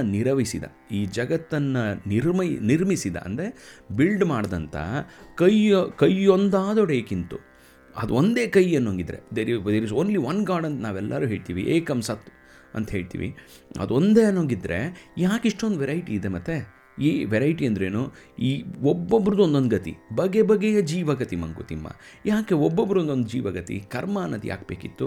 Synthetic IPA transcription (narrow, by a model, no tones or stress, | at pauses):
niɾɐʋisid̪ɐ̰ | iːd͡ʒɐɡɐt̪ːɐnːɐniɾmɐniɾmisid̪ɐ̰ʔɐ̰nd̪ɾebilɖmaːɽd̪ɐnt̪ʰɐ̰kɐjkɐjond̪aːd̪oɽeːkint̪u | ɐ̰d̪uond̪e̞ːkɐjɐnːoːŋɡid̪ɾe̞̰d̪eɾid̪eɾizoːnliʋɐnɡaːɾɖɐnt̪ɐnaːʋɛlːɐɾuːɦeːɭt̪iːʋḭʔeːkɐmsɐt̪ː | ɐ̰nt̪ɐɦeːɭt̪ḭːʋḭ | ɐ̰d̪uo̞nd̪eːɐnːoŋɡid̪ɾe̞jaːkiʂʈo̞nd̪ʋɛɾɐjʈiːd̪emɐt̪ːe̞ | iːʋɛɾɐjʈiɐnd̪ɾeːnuiːobːobːɾɐd̪uond̪ond̪ɡɐt̪ḭbɐɡebɐɡɛjɐd͡ʒiːʋɐɡɐt̪imɐŋkṵt̪imːɐ̰ | jaːke̞obːobːɾond̪ond̪ud͡ʒiːʋɐɡɐt̪ḭkɐɾmɐnːɐd̪ja̰ːkbeːkit̪ːu